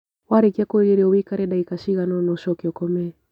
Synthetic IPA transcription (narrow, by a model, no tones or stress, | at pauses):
waɾikiakoɾɛɾiɔwikaɾɛɗaikaʃiɣanɔnɔʃɔkiɔkɔmɛ